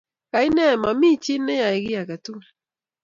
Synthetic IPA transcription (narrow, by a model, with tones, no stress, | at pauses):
ka˨ɪ˦nɛ˦˨ma˨mi˦˨t͡ʃɪ˦nːe˦ja˨ɪ˨ɡɪ˦ja˨ka˨tu˦˨l